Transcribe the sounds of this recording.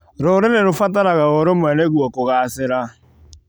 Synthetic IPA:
ɾoɾeɾeɾofataɾaɣaoɾomwɛnɛɣwɔkoɣaːsɪɾa

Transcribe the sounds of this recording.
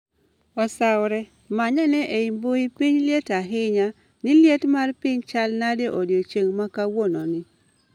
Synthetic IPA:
ɔsawɾɛ | maɲanɛʔeimboipiɲljetaɦɪɲa | nɪljetmarpɪɲt͡ʃalnadeʔodjot͡ʃeŋmakawonɔnɪ

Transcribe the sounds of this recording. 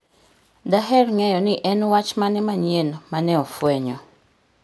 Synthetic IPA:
daɦɛrŋɛjɔnɪʔɛnwat͡ʃmanɛmaɲjenmanɛɔfwɛɲɔ

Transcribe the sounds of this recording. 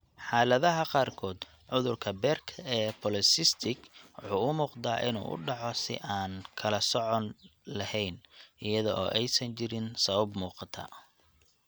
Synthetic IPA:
ħaːlɐðɐɦɐqɑːrkʰɔːd̪ | ʕʊðʊrkʰɐbɛrkʰɛːpʰɔlɪsɪst̪ʰɪɡwʊħuːʊmuːqd̪aːʔɪ̰nṵːʔʊ̰ɖɑʕɔsɪ̰ʔaːnkʰɐlɐsɔʕɔnlɐhɛjnʔɪjɐðɔʔɔːʔɛjsɐɲt͡ʃɪɾɪnsɐβɐbmuːqɑt̪ʰa̰ː

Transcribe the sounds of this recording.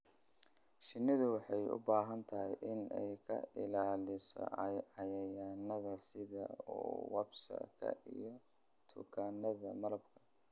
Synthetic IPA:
ʃɪnːɪðʊwɑħɑjʊ̰baːɦɐnt̪ʰɐɦɪjʔɪnɛjkʰɐ̰ɪlaːlɪsɔ̰ʕɑjɐjaːnɐðɐsɪðɐuːwɑbsɐ̰kʰɐ̰ʔijɞ | t̪ʰʊkʰaːnɐðɐmɐlɐbkʰɐ̥

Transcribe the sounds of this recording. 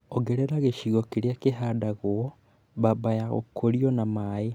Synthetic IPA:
oɡeɾeɾaɣeʃiɣɔkeɾeakeɦadaɣoɔ | βabajaɣo̰kʰoɾiɔnamae

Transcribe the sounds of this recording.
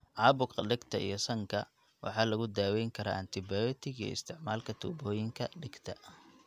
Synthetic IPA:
ʕɑːbʊkɐɖɪɡt̪ʰɐʔḭjɔsɐŋkʰɐ̰ | wɑ̰ħɑːlɐɣʊd̪aːwɛjŋkʰɐɾɐ̰ʔɐnt̪ʰɪbajɔt̪ʰɪɡij̰ɪ̰st̪ʰɪʕmaːlkʰɐt̪ʰṵːbɔːjɪŋkʰɐɖɪɡt̪ʰɐ

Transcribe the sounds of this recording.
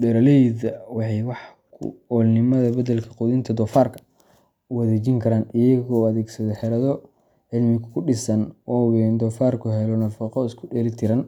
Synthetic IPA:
dɛɾɐlɛjðɐwɑħɑjwɑħ | kʰʊ̰ɔːlnɪmɐðɐbɐdɐlkʰɐ̥qʊðɪnt̪ʰɐd̪ɔːfaːrkʰɐ̥ | wɐðeːt͡ʃɪŋkʰɐɾaːnɪjɐɣɔɐðɛːɡsɐðɛħɛɾɐðɔ | ʕɪlmɪɣʊkʰʊɖɪsɐnɔːwɛnd̪ɔːfaːrkʰʊɦɛlɔnɐfɔqɔɪskʰʊɗɛːɾɪt̪ʰɪɾɐn

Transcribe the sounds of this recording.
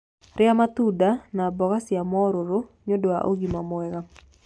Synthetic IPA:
rɪamat̪udanabɔɣasɪamɔɾoɾoɲodoa̰ʔo̰ɡimamwɛɡa

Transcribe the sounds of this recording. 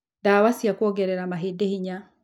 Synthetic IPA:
daːwasiakwɔɡɛɾɛɾamaɦedehiɲa

